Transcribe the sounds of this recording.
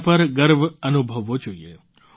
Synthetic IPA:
pəɾɡəɾʋənubʱəʋːod͡ʒoie

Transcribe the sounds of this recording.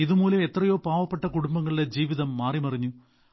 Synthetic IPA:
iðumuːlɐme̞t̪rɐjo̞ːpaːʋɐpːeʈːɐkuɽumbɐŋːɐɭiɖed͡ʑiːʋiðɐmːaːrimɐriɲːu

